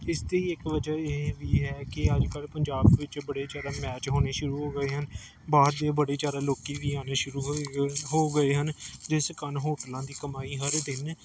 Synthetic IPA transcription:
ɪst̪eːiːɪkʋəd͡ʒəːeːʋiːɦɛːkɪəd͡ʒkəlpəɲd͡ʒaːbʋɪt͡ʃbəɽeːt͡ʃaːɾaːmɛːt͡ʃɦoːneːʃʊɾuːɦoːɡəeːɦən | baːd̪d̪eːbəɽeːd͡ʒaːɾaːloːkiːʋiːaːneːʃʊɾuːɦɦoːɡəeːɦənd͡ʒɪskənɦoːʈlãːd̪iːkəmaːiːɦəɾd̪ɪn

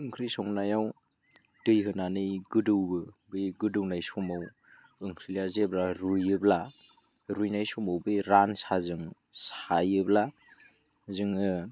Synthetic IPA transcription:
ɯŋkʰɾisɔŋnajaw | d̥ɯjɦɯnanɯjɡɯdɯwbɯbɯjɡɯdɯwnajsɔmaw | ɯŋkʰɾilijazeblaɾujɯbla | ɾujnajsɔmawbɯjɾansazɯŋ | sajɯbla | zɯŋɯ

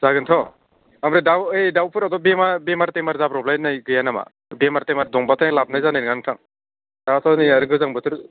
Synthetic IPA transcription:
z̥aɡɯnt̪ʰɔ | amɾedawejdawpʰɯɾad̪ɔbemabemaɾt̪emaɾzapɾɔblajnajɡɯjanama̰ | bemaɾt̪emaɾd̪ɔŋbat̪ʰalab̚najzanajnɡankʰaŋ | dasanɯjaɾɯɡɯzaŋbɯt̪ʰɯɾ

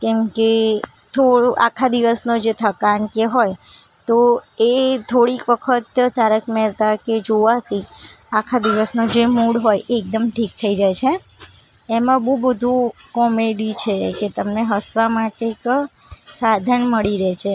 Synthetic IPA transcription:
kɛmke | t̪ʰoɽoʔakʰad̪iʋəsnod͡ʒet̪ʰəkankeɦoj | t̪oet̪ʰoɽikʋəkʰət̪t̪aɾəkmɛlt̪aked͡ʒoʋat̪iakʰad̪iʋəsnod͡ʒemuɽɦojʔeːk̚d̪əmʈʰik̚t̪ʰəid͡ʒajt͡ʃʰeː | mãbubəd̪ʱukɔmeɖit͡ʃʰeket̪əmneɦəsʋamaʈek | sad̪ʱənməɭiɾɛt͡ʃʰe

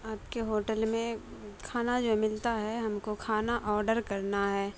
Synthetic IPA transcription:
aːpkeɦoːʈəlmẽkʰaːnad͡ʒoːmɪlt̪aɦɛɦɐmkokʰaːnaʔɔːɾɖəɾkɐɾnaɦɛː

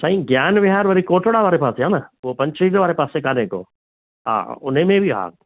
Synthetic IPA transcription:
saːĩɡjaːnʋɪɦaːɾʋɐɾikoːʈəɽaʋaːɾepaːseɦãːnɐʋopɐ̃ɲt͡ʃɾiːlʋaːɾepaːsekaːneko̰ː | ɦã̰ːʊnẽmẽbʱiɦa̰ːk

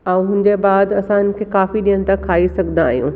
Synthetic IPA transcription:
ãːũɦʊ̃ɪ̃ɲd͡ʑebaːd̪ɐsãɪnɪ̆kʰeːkaːfiɗijəɽ̃t̪akʰaːisɐɡʱənd̪aːɦijṵ̃ː

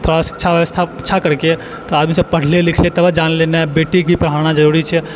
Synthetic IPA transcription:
t̪ʰoɾɽasi̥kːt͡ʃʰaʋjəʋəst̪ʰaɪtːʃʰakəɾke | t̪oaːd̪misəpəɽ̤lelɪkʰlet̪əbəd͡ʒanlenabeːʈik̚bʱipɾɦaɾnad͡ʒəɾuɾit͡ʃʰɛ

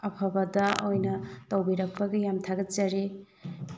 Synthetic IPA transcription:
ɐpʰɐbɐdɐojnɐtɐwbiɾɐk̚pɐɡɐjamtʰaɡɐt͡ʃɐɾe

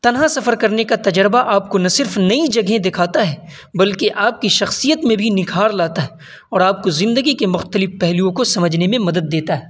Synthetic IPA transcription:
t̪ɐnɦasɐfəɾkɐɾnekat̪ɐd͡ʒɾbaʔaːp̚konɐsɪɾfnɐid͡ʒɐɡɦẽd̪ɪkʰaːt̪aɦɛː | bɐlkeʔaːp̚kiʃɐxsijət̪mẽbʱinɪkʰaːɾlaːt̪aɦɛ | ɔːɾaːp̚kozɪ̃nd̪əɡikemʊxt̪əlɪfpɛɦlijõkosɐməd͡ʒʱnemẽmɐd̪əd̪ːeːt̪aɦɛː

